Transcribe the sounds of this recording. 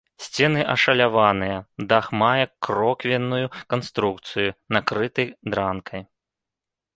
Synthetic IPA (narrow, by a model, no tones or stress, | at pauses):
sʲt͡sʲɛnɨʔɐʂɐlʲavanɨjɐd̪axmajɐkːɾɔkvʲɛnːujukanst̪ɾukt̪sɨjunakɾɨt̪ɐjd̪ɾankʰɐj